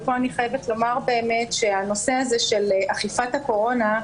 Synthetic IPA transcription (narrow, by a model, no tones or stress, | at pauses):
po̞aniχajevetlo̞maʁbe̞ːme̞tʃe̞ano̞se̞aze̞ʃe̞lʔaχifathako̞ʁo̞na